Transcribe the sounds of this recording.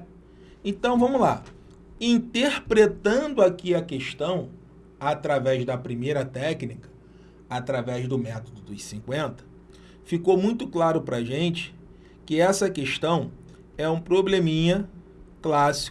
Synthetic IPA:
ẽnt̪ɐ̃w̃vɐ̃mʊla̰ | ĩnt̪eχpɾet̪ɐ̃d̪ʊakiɐkeʃt̪ɐ̃w̃ | at̪ɾavɛʒd̪ɐpɾimejɾɐt̪ɛknikɐ̥ | at̪ɾavɛzd̪ʊmɛt̪od̪ʊd̪ʊjsĩkwẽnt̪ɐ̥ | fikowmũj̃t̪ʊklaɾʊpɾɐʒẽnt͡ʃɪ̥ | kɪɛsɐkeʃt̪ɐ̃w̃ | ɛũpɾoblẽmĩɲɐ | klasi̥kʊ

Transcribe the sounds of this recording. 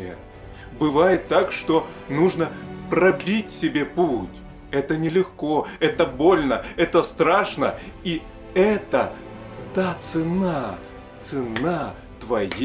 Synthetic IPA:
ə̰ | bɨvajɪt̪ːakʂt̪o̞ | nuʐnəpɾɐbʲitʲsʲɪbʲe̞putʲ | ɛt̪ənʲɪlʲɪxko̞ɛt̪əbo̞lʲnəɛt̪əst̪ɾaʂnəi | ɛt̪ə | t̪at̪sɨna | t̪sɨna | t̪vɐj

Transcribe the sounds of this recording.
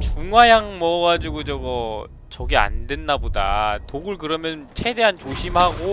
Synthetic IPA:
t͡ɕuŋwajaŋmʌɡad͡ʑuɡod͡ʑʌɡʌ | t͡ɕʌɡea̰ndwe̞nːabodatoɡɯɭkɯɾʌmjʌnɯnt͡ɕʰe̞de̞ɦant͡ɕoɕʰimhaɡo

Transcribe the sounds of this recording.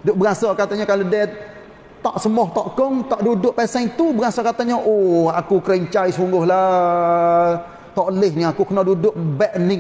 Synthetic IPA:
dʊʔ̚bəɣasakat̪aɲakalodɛ | t̪ɔʔsəmɔht̪ɔʔkʊŋt̪ɔʔdudʊʔpɛsɛŋt̪ubəɣasakat̪aɲəʔoakukɾɛɲt͡ʃaisuŋɡʊhla | t̪ɔʔlɪhniakukənadudʊʔ̚bɛʔnɪŋ

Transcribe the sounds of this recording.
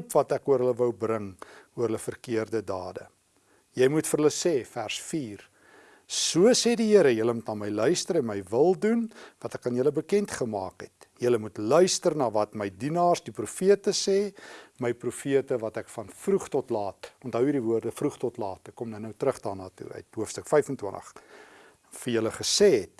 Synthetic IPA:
pvɐtækuəɾɦələvəwbrəŋuəɦələfərkiərdədɑːdə̰ | jəjmutfərɦələsɛːfærsfiːr | suəsɛːdiɦiəɾəjələmutnɑːməjlœɥstəɾɛnməjvəlˠdunvɐtækɑnjələbəkɛntχəmɑːkɦɛ̰t | jələmutlœɥstərnɑːvɐtməjdinɑːrsdiprufiətəsɛːməjprufiətəvɐtɛkfɐnfruχtɔtlɑːtʔɔntɦœwidivuərdəfruχtɔtlɑːtəkːɔmdɐnəwtɾəχdɑːrnɑːtṵœ̰ɥtɦuəfstəkfɛjfəntwə̰ntə̰χ | fərjələχəsɛːɦɛt̚

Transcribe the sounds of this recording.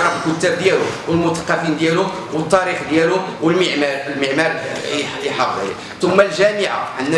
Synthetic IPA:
ɑflkʊt̪ːæb̚d̪jæluwəlmʊt̪ɑ̥qːɑfind̪jælʊ | wət̪ˤːɑɾixd̪jæluwəlməʕmælməʕmɑɾˤ | iħɑfd̪̰ḭ | t̪ʊmːælʒæmɪʕa̰ʕənːæ

